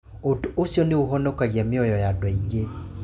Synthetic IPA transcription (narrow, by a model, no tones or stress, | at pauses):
otosjɔneoɦɔnɔkaɣɛmɪɔjɔjadwɔiɡe